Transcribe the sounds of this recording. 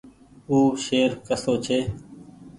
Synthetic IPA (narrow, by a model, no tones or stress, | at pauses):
uːʃeːɾkəsoːt͡ʃʰeː